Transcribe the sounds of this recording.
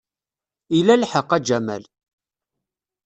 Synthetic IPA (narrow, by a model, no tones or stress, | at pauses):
ilælħəqːæd͡ʒæmæ̰l